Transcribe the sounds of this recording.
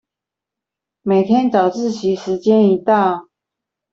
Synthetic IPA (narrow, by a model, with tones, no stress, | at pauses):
me˨˩ɪt̪ʰjɛ˥nt͡sɑ˨˩ʊt͡sɹ̩˥˩t͡ɕʰi˧˥ʂɻ̩˧˦t͡ɕjɛ˦ni˧˥t̪ɑ˥˨ʊ